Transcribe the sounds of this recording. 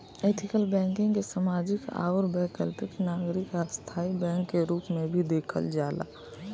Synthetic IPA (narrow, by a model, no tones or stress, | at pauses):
et̪ʰɪkəlbɛ̃ːŋkɪ̃ŋɡkesamaːd͡ʒɪka̰ːʋəɾbɛːkəlpɪknaːɡɾɪkast̪ʰaːibɛ̃ːŋkːeɾuːpmẽbʱid̪eːkʰə̰ld͡ʒaːla̰